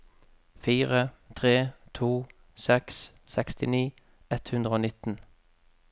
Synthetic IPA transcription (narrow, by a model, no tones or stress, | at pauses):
fiːʁət̪ʰʁeːt̪ʰuː | sɛks | sɛkst̪ɪniː | ɛt̪hʉnd̪ʁəoːnɪt̪n̩